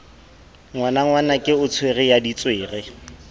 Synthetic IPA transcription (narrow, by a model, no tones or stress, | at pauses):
ŋwanaŋwanakʼɪʊt͡sʰwerɪjadit͡sʼweːrɪ